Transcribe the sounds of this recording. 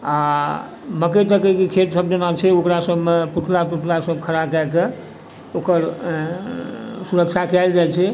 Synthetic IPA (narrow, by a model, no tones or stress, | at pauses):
a | məket̪əkəkikʰet̪səb̚d͡ʒənat͡ʃʰɛokɾasəbmepuʈʰlapuʈʰlasəb̚kʰəɾakɛke | okəɾ | suɾək̚t͡ʃʰakalɾəɦɛlt͡ʃʰɛ